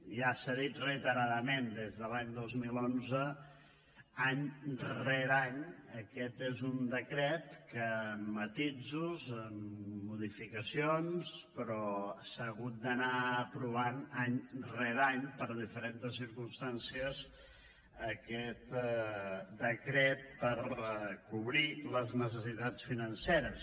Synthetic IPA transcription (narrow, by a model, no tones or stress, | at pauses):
ʒasaðit̪rəit̪əɾaðəmẽnd̪ezðəlaɲd̪ozmilonzə | aɲrɛɾaɲəkɛt̪ezund̪əkɾɛt̪kəmːət̪id͡zuzəmːuð̞ifikəsionspɾɔsaɣut̪̚d̪ənaəpɾuβ̞anaɲrɛðaɲpəɾðifəɾent̪əsːiɾkumst̪ansiəz | əkɛt̪ | d̪əkɾɛt̪̚pəɾkuβɾiləznəs̬əsit̪at͡sfinənseɾəs